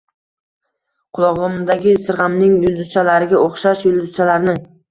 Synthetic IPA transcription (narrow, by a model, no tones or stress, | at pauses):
qʰʊlˠɒʁʊmd̪aɡʲɪsɪɾʁamnɪŋjʊlˠd̪ʊzt͡ʃʰalaɾɪɡʲaʔoχʃaʃjʊlˠd̪ʊzt͡ʃʰalaɾnɪŋ